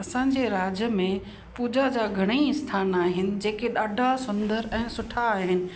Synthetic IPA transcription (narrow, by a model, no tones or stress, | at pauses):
ɐsãːɲd͡ʑeɾaːd͡ʑjəmẽ | puːd͡ʑad͡ʑaːɡʱɐɽ̃eiɪst̪ʰaːnaːɦɪnɪ̆d͡ʑeːkeɗaːɖʱasʊ̃nd̪əɾɛ̃ːsʊʈʰaːɦɪnɪ̆